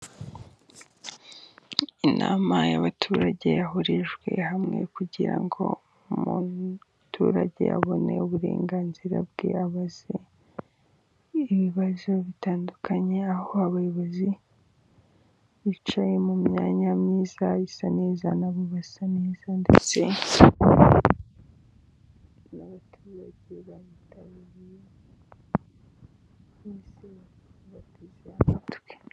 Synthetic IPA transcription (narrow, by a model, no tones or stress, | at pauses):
inʔa̰ːmaja̰βatʰuːɾaɟe̞jaɦoɾeʒɡwe̞̰hamŋe̞̰kuɟiɾa̰ŋɡo̞̰ | mu | tʰuːɾaɟe̞̰ja̰βo̞ne̞uβuɾe̞̰ːŋɡaːnziɾa̰b̚ɡe̞̰aβaz̥e | iβiβazo̞βitaːndukʰaɲe̞aho̞aβajoβozi | it͡ʃajemumɲa̰ːɲamɲiːzaisaneːza̰naβoβasaneːzandḛt͡se̞̰ | naβatʰezabeβaβitʰaβiɾije | eseβatʰezeamatwe̥